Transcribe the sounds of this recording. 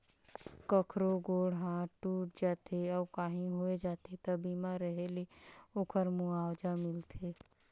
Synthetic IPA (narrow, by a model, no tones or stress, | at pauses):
kəkʰɾoɡoːɽɦãʈuːʈ̚d͡ʒaːt̪eɔːkaːɦĩɦoed͡ʒaːt̪et̪əbimaɾəɦeleokʰəɾmuaːwd͡ʒamɪlt̪ʰe